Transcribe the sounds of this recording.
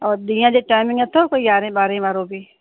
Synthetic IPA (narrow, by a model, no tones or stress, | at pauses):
ɔːɾd̪iːjãd͡ʒoʈaːɪmɪ̃ŋɡɛt̪ʰoːkoijaːɾẽbaːɾẽʋaːɾõbʱi